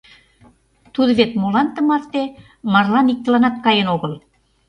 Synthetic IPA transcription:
t̪ud̪ə̆βet̪molɑnt̪ə̆mɑrt̪e | mɑrlɑnik̚t̪ə̆lɑnɑt̪̚kɑjenoɣəl

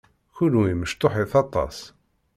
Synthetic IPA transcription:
çulwiməʃt̪oħiθɑt̪ˤɑ̰s

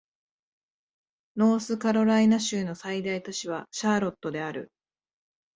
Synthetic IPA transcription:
no̞ːsɨkaɾo̞ɾainaɕɨːno̞said̪ait̪ot͡ɕiβ̞aɕaːɾo̞t̪ːo̞d̪e̞aɾɯ̟̰

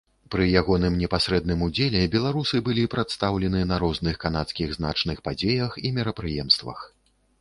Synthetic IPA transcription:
pɾɨjaɣɔnɨmnʲɛpasɾɛd̪̚nɨmud͡zʲelʲɛbʲɛlˠaɾusɨbɨlʲipɾat̪st̪awlʲɛnɨnɐɾɔznɨxkan̪at̪skʲiɣzna̰t͡ʂnɨxpad͡zʲejɐximʲɛɾɐpɾɨjɛmst̪vɐ̰x

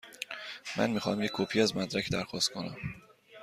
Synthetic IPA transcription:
mænmixɒ̰ːmjeckʲʰːopʰiːæzmæd̪ɾækʰd̪æɾxɒst̪konæ̰m

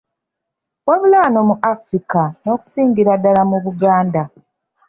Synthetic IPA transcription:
waβulano̞muʔafɾikano̞ːku̥siːŋɡiɾadːalamuβuɡaːnda

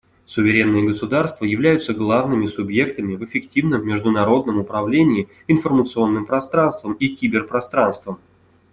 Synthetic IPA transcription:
sʊvʲɪɾʲe̞nːɨjəɡəsʊd̪arst̪vəjɪvlʲæjʊt̪səɡlˠavnɨmʲɪsʊbje̞kt̪əmʲɪvɪfʲɪktʲivnəmːʲɪʐd̪ʊnɐɾo̞d̪nəmʊpɾɐvlʲenʲɪː | ɪnfərmət̪sɨo̞nːɨmpɾɐst̪ɾanst̪vəmikʲibʲɪrpɾɐst̪ɾanst̪vəm

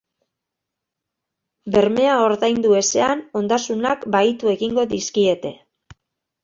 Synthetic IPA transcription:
be̞ɾme̞ao̞ɾðajnd̪ue̞se̞ano̞nd̪asunakbait̪ue̞ɣiŋɡo̞ðiskie̞t̪e̞

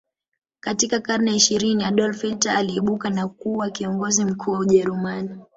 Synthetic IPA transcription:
katikakaɾnɛiʃiɾiniaɗɔlfitaːliɛɓukanakuːwakiɔŋɡɔzim̩kʰuːwauʄɛɾumani

